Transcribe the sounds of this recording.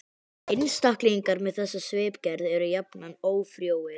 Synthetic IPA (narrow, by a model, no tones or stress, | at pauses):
ɪnst̪ahkliiŋkaɾmɛðθɛsːasveːpcɛɾðɛɾʏjapnanoːwfɾjoːwɪ